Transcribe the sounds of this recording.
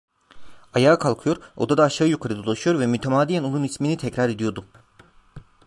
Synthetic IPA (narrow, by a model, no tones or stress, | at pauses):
ajaːkʰalˠkʰɯjo̞ɾo̰d̪ad̪aːʃaːɯjukʰaɾɯd̪olˠaʃɯjo̞ɾvɛmyt̪ʰemaːd̪ijæno̞nunisminit̪ʰɛcɾaɾe̞d̪ijo̞ɾd̪u